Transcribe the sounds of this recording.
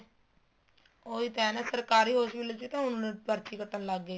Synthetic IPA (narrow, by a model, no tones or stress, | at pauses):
oːiːt̪ɛːnaːsəɾkaːɾiːɦoːsiːlət͡ʃiːt̪ãːɦʊnːnẽpəɾt̪iːkət̪ənlaɡːeː